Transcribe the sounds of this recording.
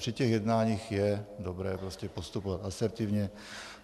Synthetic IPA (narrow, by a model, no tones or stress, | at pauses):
r̥icɛɣjɛd̪naːɲiːxjɛdobɾɛːpɾoscɛpost̪upovat̪asɛɾt̪ivɲɛ